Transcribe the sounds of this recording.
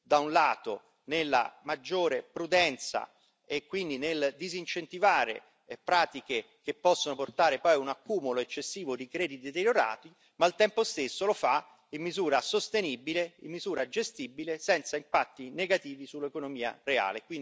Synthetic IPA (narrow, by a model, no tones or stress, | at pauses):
d̪aunlaːt̪o | nelːa̰mad͡ʒːoːɾepɾud̪ɛnt̪sa̰ | ekːwind̪ineld̪izint͡ʃent̪ivaːɾḛ | pɾaːt̪ike | k̟epːɔsːonoport̪aːɾepɔjunakːuːmoloet͡ʃːesːiːvod̪ikɾɛːd̪it̪d̪et̪eɾjoɾa̰ːt̪i | malt̪ɛmpost̪esːolofa | imːizuːɾasost̪enibileimːizuːɾad͡ʒest̪ibilesɛnt̪saimpat̪ːineɡat̪iːvisulːekonomiːa̰rea̰ːlekwin